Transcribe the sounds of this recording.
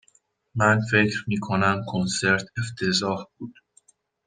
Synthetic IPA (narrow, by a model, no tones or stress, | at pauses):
mænfe̞cʰɾmiːkʰonæmkʰonse̞ɾt̪ʰeft̪ʰe̞zɒːhbuːd̪̥